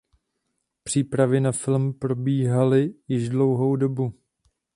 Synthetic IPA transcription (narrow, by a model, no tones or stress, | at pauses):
pr̝̥iːpɾavɪnafɪlmpɾo̞biːɦalɪjɪʒdlo̞wɦowdo̞bu